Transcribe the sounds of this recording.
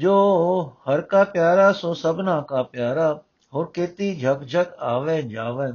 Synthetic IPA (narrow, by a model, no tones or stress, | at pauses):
d͡ʒoːhɐɾkaːpjaːɾasoːsəbnãːkaːpjaːɾa | ɦoːɾket̪id͡ʒʱəkd͡ʒʱəkaːʋeːd͡ʒaːʋẽː